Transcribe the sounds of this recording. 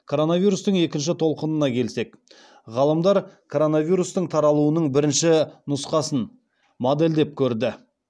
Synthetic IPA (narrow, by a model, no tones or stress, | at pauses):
kʰo̞ɾo̞navʲijɾust̪əɴe̞kʲɪnʃ̬ɪt̪ʰo̞lˠqənənɑkʲʰe̞lse̞k | ʁɑlˠəmd̪ɑɾkʰo̞ɾo̞navʲijɾust̪əɴt̪ʰɑɾɑlˠuənəɴbɪɾɪnʃɪnʊsqɑsən | mod̪e̞ld̪e̞p̚kʲʰɵɾd̪ɪ